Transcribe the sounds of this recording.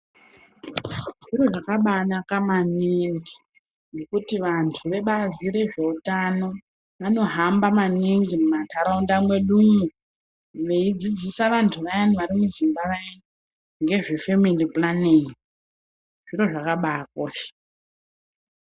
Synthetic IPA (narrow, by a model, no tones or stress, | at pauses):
ʐiro̞ʐakaɓanakamaniŋɡi | nekutiʋantʰuʋe̞ɓaziɾe̞ʐe̞utano̞ | ʋano̞ɦambamaniŋɡimumatʰaɾaundamwe̞ɗumu | ʋe̞id͡zid͡zisaʋantʰuʋajaniʋaɾimuzimbaʋai | ŋɡe̞ʐe̞fe̞miliplaniŋi | ʐ̥iro̞ʐakaɓaːkoːʃe̥